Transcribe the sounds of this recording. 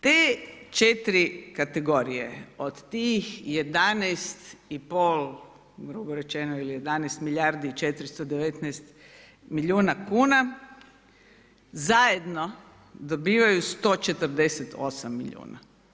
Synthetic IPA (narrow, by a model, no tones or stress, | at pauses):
t̪eːt͡ʃet̪ɾikat̪eɡo̞ɾije̞̰od̪t̪iːxje̞d̪anɛst̪ipolˠ | ɡɾuboɾe̞t͡ʃenoilije̞d̪aneːst̪miʎʲaɾd̪iit͡ʃet̪ɾist̪od̪eʋet̪nɛst̪ | miʎʲuːnakuːna | zajed̪no̞ | d̪obiːʋajust̪o̞ːt͡ʃe̞t̪əɾd̪e̞set̪ʰo̰samːḭʎṵːna̰